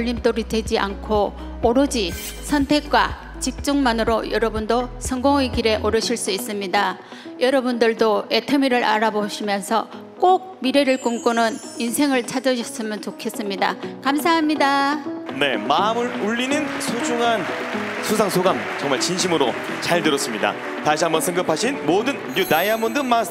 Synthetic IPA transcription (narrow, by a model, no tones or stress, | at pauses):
ʎːimt͈oɾidwe̞d͡ʑiʔa̰nkʰo | ʌɾʌd͡ʑi | sʰʌntʰe̞k̚k͈wa̰ | t͡ɕik̚t͡ɕ͈uŋmanɯɾojʌɾʌbundosʰʌŋɡoŋekiɾe̞ʔʌɾʌɕʰiɭs͈uis͈ɯmɲida | jʌɾʌbundɯɭdoe̞tʰʌmiɾɯɾʔaɾaboɕʰimjʌnsʰʌ | k͈oɡ̚miɾe̞ɾɯɭkumk͈unɯninsʰe̞ŋɯɭt͡ɕʰad͡ʑʌɕʰʌs͈ɯmjʌnt͡ɕokʰe̞s͈ɯmɲida̰kamsʰaɦamɲidane̞mamɯɾuʎːinɯnsʰud͡ʑuŋansʰusʰaŋsʰoɡam | t͡ɕʌŋmaɭt͡ɕinɕʰimɯɾo | t͡ɕaɭdɯɾʌs͈ɯmɲida̰ | taɕʰiɦambʌsʰɯŋɡʌpʰaɕʰinmodɯnnunajamondɯma